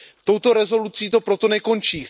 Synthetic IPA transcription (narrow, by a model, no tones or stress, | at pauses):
ft̪o̞wt̪o̞ɾɛzo̞lut͡siːt̪o̞pɾo̞t̪o̞nɛko̞nt͡ʃiː